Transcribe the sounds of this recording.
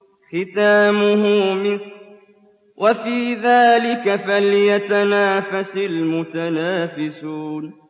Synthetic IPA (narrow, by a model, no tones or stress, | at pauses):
xɪt̪aːmʊhʊmɪs | wʔafiːðaːlɪkafaljat̪anaːfasalmʊt̪anaːfɪsuːn